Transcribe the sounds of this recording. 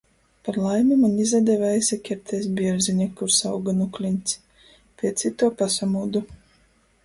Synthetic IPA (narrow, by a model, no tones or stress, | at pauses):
paɾlˠajmumanizad̪ʲɛvɛjsʲɛkʲɛɾt̪ʰɛjs̬bʲiɛɾziɲʲɛkuɾsawɡanuklʲinʲt̪sʲ | pʲiɛt̪sit̪uɔpasamuːd̪u